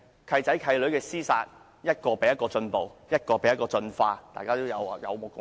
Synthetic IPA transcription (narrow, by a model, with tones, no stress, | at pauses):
kʰɐ˧jt͡sɐ˨˥jkʰɐ˧jlɵ˨˥ɥkɛː˧siː˥saː˧t̚ | jɐ˥t̚kɔː˧pe˨˥jɐ˥tkɔː˧t͡sɵ˧npo˨wjɐ˥t̚kɔː˧pe˨˥jɐ˥tkɔː˧t͡sɵ˧nfaː˧t̪a̰ː˨˩kaː˥t̪o˥wjɐ˨˧wjɐ̰˨˧wmo˨˩kʊ˨